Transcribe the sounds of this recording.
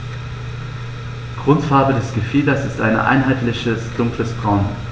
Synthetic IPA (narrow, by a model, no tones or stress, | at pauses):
ɡ̥ʁʊntfaɐbədɛsɡ̥əfiːdɐsɪstʔa̰ɪnə̰ʔa̰ɪnɦaɪtlɪçəsd̥ʊŋkləsb̥ʁaʊn